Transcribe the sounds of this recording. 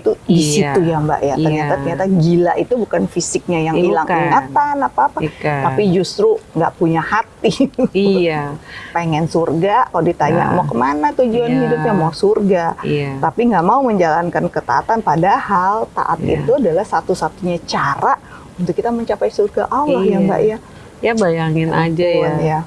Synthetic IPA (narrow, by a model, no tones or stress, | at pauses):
t̪udisit̪ujamba̰ʔjat̪ərɲat̪at̪ərɲat̪aɡilaʔit̪ubukanfisɪk̚ɲajaŋilaŋiŋat̪anapaːpaapid͡ʒust̪ɾuŋɡa̰ʔpuɲahat̪i | peŋɛnsurɡakalodit̪aɲa̰ʔmakəmanat̪ud͡ʒuanhidʊp̚ɲamasurɡait̪apiŋɡaʔmauməɲd͡ʒalankankət̪a̰ːt̪anpadahalt̪a̰ʔat̪̚ḭt̪uadalahsat̪usat̪uɲat͡ʃaɾaʔ | unt̪ʊkːit̪aməɲt͡ʃapajsurɡaʔawlahjaɡa̰ʔja | jabajaŋɪnad͡ʒanja